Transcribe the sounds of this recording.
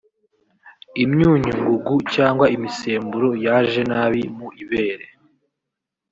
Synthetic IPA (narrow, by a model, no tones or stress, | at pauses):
imɲuːɲuŋɡuɡucaːŋɡwaimise̞ːmbuɾo̞jaʒe̞naːβimuʔiβe̞ːɾe